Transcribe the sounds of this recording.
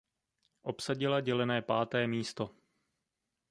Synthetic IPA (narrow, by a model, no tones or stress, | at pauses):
ʔo̞psaɟɪlaɟɛlɛnɛːpaːt̪ɛːmiːst̪o̞